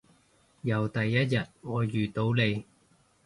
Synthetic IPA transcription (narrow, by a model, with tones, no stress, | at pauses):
jɐ˨˧wt̪ɐ˨jːɐ˥t̚jɐ˨t̚ŋɔː˨˧jyː˨t̪o˧wle˨˧j